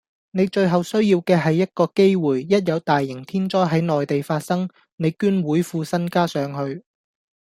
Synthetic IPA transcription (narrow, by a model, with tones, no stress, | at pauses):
ne˨˧jt͡ʃɵ˧ɥɦɐ˨wsɵ˥ɥjiː˧wkɛː˧ɦɐ˨jːɐ˥t̚kɔː˧ke˥jwuː˨˩jːɐ˥t̚jɐ˨˧wt̪aː˨jːɪ˨˩ŋt̪ʰiː˥nt͡ʃɔː˥jɦɐ˨˥jnɔː˨jt̪e˨jfaː˧t̚sɐ˥ŋ | ne˨˧jkyː˥nwuː˨˥jfuː˧sɐ˥nkaː˥sœː˨˥ŋɦɵ˧ɥ